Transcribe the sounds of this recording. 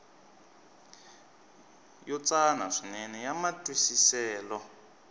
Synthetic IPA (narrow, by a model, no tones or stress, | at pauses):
jɔt͡san̤a̰ʂinɛnɛjamatʼwisisɛːlɔ